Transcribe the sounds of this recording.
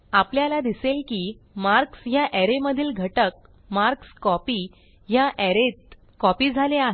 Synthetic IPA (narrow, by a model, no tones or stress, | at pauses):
apljalad̪iselkiː | maɾksjaʔɛɾeməd̪ʱiːlɡʱəʈək̚ | maɾkskɔpiː | jaʔɛɾet̪ | kɔpiːd͡zʱaleaɦe